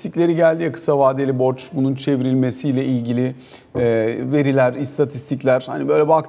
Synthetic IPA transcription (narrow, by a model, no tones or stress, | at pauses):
t̪icʲlʲe̞ɾiɟælʲd̪ijakʰɯ̥savaːd̪elʲibo̞ɾt͡ʃbununt͡ʃʰe̞viɾilʲme̞sijlʲɛilʲɟilʲi | ɛve̞ɾilʲæɾist̪ʰat̪ʰist̪ʰiclʲæɾ̥ha̰nibø̞jlʲɛbak̪